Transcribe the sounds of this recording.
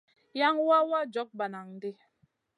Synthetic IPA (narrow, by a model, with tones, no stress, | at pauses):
ja˦ŋwa˦wa˦d͡ʒɔ˨˦k̚ba˨na˨ŋ˨di˦